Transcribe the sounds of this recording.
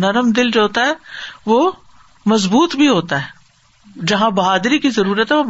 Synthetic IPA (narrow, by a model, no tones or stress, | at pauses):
nɐɾəmd̪ɪld͡ʒoːɦoːt̪aɦɛːʋoː | mɐzbuːt̪bʱiɦoːt̪aɦɛː | d͡ʒɐɦãbɐɦaːd̪ɾikizɐɾuːɾət̪ɦɛʋo